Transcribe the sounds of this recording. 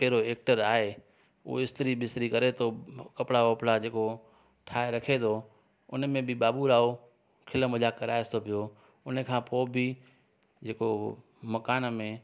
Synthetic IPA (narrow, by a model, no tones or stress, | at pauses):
pɛɦɪɾoeːk̚ʈəɾaːɦe | ṵɪst̪ɾibɪst̪ɪɾikɐɾet̪ʰokɐpɽaɐpɽad͡ʑeːko | ʈʰaːeɾɐkʰet̪ʰo | ʊ̰nmẽbɪɓaːbuɾaːo | kʰɪləmɐlaːkːɐɾaːɪst̪ʰopijo | ʊnəkʰãːpoːbɪ | d͡ʑeːko | mɐkaːnmẽ